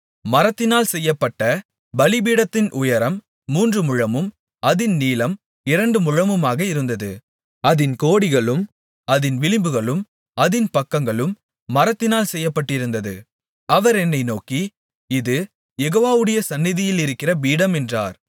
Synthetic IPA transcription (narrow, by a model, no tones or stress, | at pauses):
mɐɾɐt̪ːɪnaːlsɛjːɐpːɐʈːɐ | bɐlɪbiːɽɐt̪ːɪnʔʊjɐɾɐmː | uːndrɯmʊɻɐmɯm | ɐðɪnniːlɐm | ɪɾɐɳɖɯmʊɻɐmɯmaːɣɐɪɾɯnd̪ɐðɯ̰ | ɐðɪnkoːɽɪɣɐɭɯm | ɐðɪnʋɪlɪmbɯɣɐɭɯm | ɐðɪnpɐkːɐŋɡɐɭɯmː | ɐɾɐt̪ːɪnaːlsɛjːɐpːɐʈːɪɾɯnd̪ɐðɯ̰ | ɐʋɐɾɛnːɐɪnoːki | ɪðɯ | jɛɣoːʋaːʋɯɽɐjɐsɐnːɪðɪjɪlɪɾɯkːɪrɐbiːɽɐmɛndra̰ːɾ